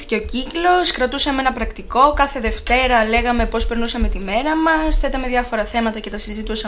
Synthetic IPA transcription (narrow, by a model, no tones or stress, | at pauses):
t̪i̥ce̞ociklo̞skɾɐt̪usɐmeenɐpɾɐkt̪iko̞kɐθe̞ðe̞ft̪e̞ɾɐle̞ɣɐme̞po̞speɾnusɐme̞t̪ime̞ɾɐmɐsθet̪ɐme̞ðjʝɐfo̞ɾɐθe̞mɐt̪ɐce̞t̪ɐsizit̪usɐ